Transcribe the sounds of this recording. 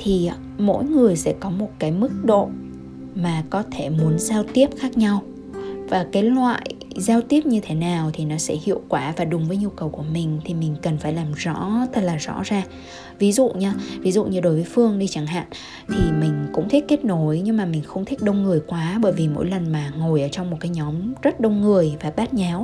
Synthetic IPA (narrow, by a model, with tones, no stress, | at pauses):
t̪ʰi˨˩˨ | mo̰˧˥jŋɨ˨˩əjsɛ̰˧˥kɔ˨˦mo˨˩t̚kaː˨˦jmɨ˦˥k̚ɗo̰˧˨ | maː˨˩kɔ˨˦t̪ʰe˧˩mu˨˦ənzaː˧wt̪i˦˥əp̚xaː˦˥k̚ɲa˧w | vaː˨˩kaː˨˦jlwa̰ː˧˨j | zaː˧wt̪i˦˥əp̚ɲɨ˧t̪ʰe˨˦naː˨˩wt̪ʰi˨˩nɔ˨˦sɛ̰˧˥hḭ˧˨əwkwaː˧˩vaː˨˩ɗʊ˨˩ŋ͡mvəː˨˦jɲu˧kə˨˩wku˧˩əmï˨˩ŋ̟t̪ʰi˨˩mï˨˩ŋ̟kə˨˩nfaː˧˩jlaː˨˩mzɔ̰˧˥t̪ə˦˥t̚laː˨˩zɔ̰˧˥zaː˨˩ | vi˨˦zṵ˧˨ɲaː˧vi˨˦zṵ˧˨ʔɲɨ˧ɗo˨˦jvəː˨˦jfɨ˧əŋɗi˧t͡ɕa˧˩ŋɦa̰ː˧˨n | t̪ʰi˨˩mï˨˩ŋ̟kʊ̰˧˥ŋ͡mt̪ʰi˦˥t̚ke˦˥t̚no˨˦jɲɨ˧ŋmaː˨˩mï˨˩ŋ̟xə˧wŋ͡mt̪ʰi˦˥k̚ɗə˧wŋ͡mŋɨ˨˩əjkwaː˨˦ɓəː˧˩jvi˨˩mo̰˧˥jlə˨˩nmaː˨˩ŋo˨˩jʔəː˧˩t͡ɕɔ˧wŋ͡mmo˨˩kaː˨˦jɲɔ˨˦mzə˦˥t̚ɗə˧wŋ͡mŋɨ˨˩əjvaː˨˩ɓaː˦˥t̚ɲa˨˦w